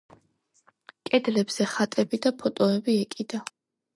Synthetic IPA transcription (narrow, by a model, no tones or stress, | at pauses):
kʼɛd̪lɛbz̥ɛχat̪ʼɛbid̪apʰɔt̪ʼɔɛbiɛkʼid̪a